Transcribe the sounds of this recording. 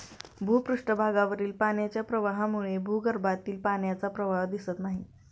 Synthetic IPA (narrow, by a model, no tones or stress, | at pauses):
bʱuːpɾuʂʈəbʱaɡaʋəɾiːlpaɳjat͡ɕjapɾəʋaɦamuɭebʱuɡəɾbat̪iːlpanjat͡sapɾəʋaɦd̪isət̪naɦi